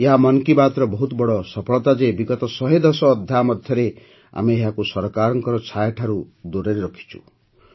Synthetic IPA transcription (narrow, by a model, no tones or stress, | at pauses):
eɦamɔnkibat̪ɾɔbɔɦut̪bɔɽɔsɔpʰɔɭɔt̪ad͡ʒebiɡɔt̪ɔsɔɦed̪ɔsɔːd̪ʱjamɔd̪ʱjɔɾe | a̰meeɦakusɔɾɔkaɾɔŋkɔɾɔt͡ʃʰajʈʰaɾud̪oɾeɾeɾɔkʰi̥t͡ʃʰu̥̰